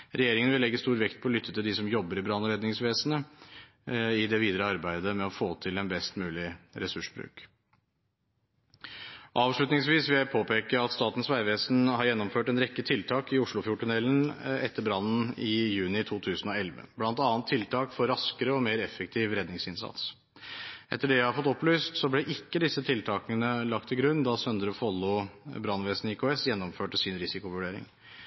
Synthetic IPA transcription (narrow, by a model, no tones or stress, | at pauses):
ɾɛjeːɾɪŋəʋɪlɛɡːəst̪uːɾʋɛkt̪̚pʰɔːlʏt̪ʰːət̪ɪld̪ɪsɔmjɔbːəɾɪbɾɑnɔɾɛd̪nɪŋsʋeːsənə | ɪd̪ɛʋiːd̪əɾəɑɾbæɪd̪əmɛɔfoːt̪ʰɪlɛnbɛst̪mʉːlɪɾɛsʉʂbɾʉ̰ːk | ʔɑːʋʂɭʉt̪nɪŋsʋiːsʋɪpʰoːpʰeːkəɾɑt̪st̪ɑːt̪n̩sʋæɪʋeːsn̩hɑɾjɛnːɔmføːʈɛnɾɛkːət̪ʰɪlt̪ʰɑːkɪʊʂɭʊfjʊʈʰːʉnɛlːnɛt̪ːəɾbɾɑnn̩ɪjʉːnɪt̪ʰuːt̪ʰʉːsən̩ɔɛlʋə̰b̥lɑnt̪ɑːnt̪ʰːɪlt̪ʰɑːkfɔɾɾɑskəɾəɔmeːɾɛfːək̚t̪ʰiːʋɾɛd̪nɪŋsɪnsɑ̰t̪s | ʔɛt̪ːəɖɛjhɑɾfɔt̪ːɔplyːst̪sɔblɛʔɪkːəd̪ɪsːət̪ʰɪlt̪ʰɑːkənəlɑk̚t̪ʰɪlɡɾʉnːd̪ɑsœnd̪əɾɔfɔlːʊbɾɑnʋeːsnɪkʰoːɛsjɛnːɔmføːʈəsɪnɾɪsɪkʊʋʉɖeːɾɪ̰ŋ